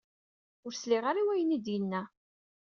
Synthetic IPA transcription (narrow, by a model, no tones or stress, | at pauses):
ʊɾslɪʁaɾiwæjənid̪jənːæ